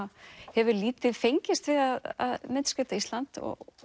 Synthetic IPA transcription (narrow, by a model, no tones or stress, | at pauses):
hɛvʏliːt̪ɪðfejɲcɪst̪vɪðaða̰ðmɪnskœːt̪aist̪lant̪ɔ̰